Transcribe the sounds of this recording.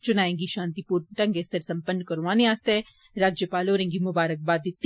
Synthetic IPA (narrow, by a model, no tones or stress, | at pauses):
t͡ʃʊnaːẽːŋɡiʃãːnt̪ipuːɾʈɐ̃ŋɡesəɾsɐ̃mpənːkɐɾũʋãːneaːst̪e | ɾaːd͡ʒjəpaːloːɾẽːŋɡimʊbaːɾək̚baːd̪ɪt̪ː